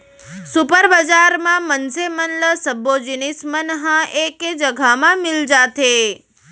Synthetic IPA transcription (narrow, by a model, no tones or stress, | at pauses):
supəɾbəd͡ʒaɾmãmənsemənləsəbod͡ʒinismənɦəeked͡ʒəɡʱamãmɪld͡ʒat̪ʰe